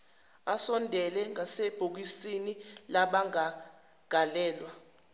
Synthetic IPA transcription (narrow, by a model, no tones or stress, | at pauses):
asɔndʱɛlɛŋaseb̥ʱuk̬isinilaɓaŋa | ɡ̥ʱalɛːlwa